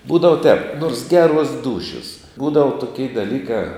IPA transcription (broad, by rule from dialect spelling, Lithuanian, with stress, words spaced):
ˈbuːdɐʋɐ tʲɛːp noːrs ˈɡʲæːˌruɔs ˈduːʃʲoːs ˈbuːdɐʋɐ tʊˈkʲɛɪ dɐˈlʲiːkɐ